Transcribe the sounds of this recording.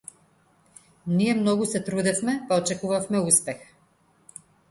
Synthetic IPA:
nijɛmnɔɡusɛt̪ɾud̪ɛfmɛpaɔt͡ʃɛkuvafmɛuspɛx

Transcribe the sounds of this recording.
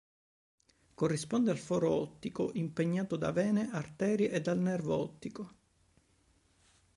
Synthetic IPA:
korːispɔnd̪ealfɔːɾoɔt̪ːikoʔimpeɲːaːt̪od̪a̰vɛːneʔart̪ɛːɾiʔed̪ːalnɛrvɔt̪ːiko

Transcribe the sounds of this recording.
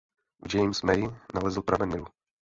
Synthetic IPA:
vd͡ʒɛjmsmɛjnalɛzl̩pɾavɛnnɪvu

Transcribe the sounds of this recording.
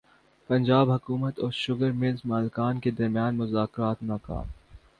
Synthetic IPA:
pɐ̃ɲd͡ʒaːbɦɐkuːmət̪ɔːɾʃʊɡəɾmezmaːlɪkaːnked̪ɐɾmijaːnmʊzaːkɾaːt̪naːka̰ːm

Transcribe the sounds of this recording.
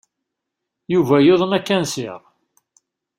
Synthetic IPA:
juvæjoðˤənækːænsɪ̰ʁ

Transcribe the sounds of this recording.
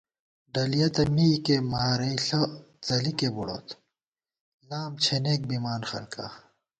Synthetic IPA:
ɖɐlijɐt̪ɐmikemaːɾɐiɬɐ | t͡sɐlikebuɽo̰ːt̪ | laːmt͡ɕʰeneːk̚bimaːnxɐlkʰa̰

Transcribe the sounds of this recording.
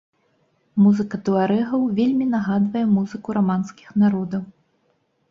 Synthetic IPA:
muzɨkɐt̪ɨaɾɛɣɐwvʲelʲmʲinaɣad̪vɐjɛmuzɨkuɾamanskʲi̥xnaɾɔd̪ɐw

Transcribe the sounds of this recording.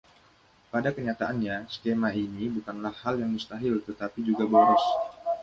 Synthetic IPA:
padakəɲat̪aʔanɲasə̥kemainibukanlahːaljaŋdist̪aɦɪlt̪ət̪apid͡ʒuɡabaɾʊs

